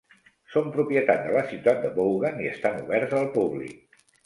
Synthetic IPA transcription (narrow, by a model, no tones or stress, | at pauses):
sompɾupjət̪at̪̚d̪ələsiwt̪at̪̚d̪əβowɣaniə̰st̪anuβɛɾzəlˠpuβlḭk̚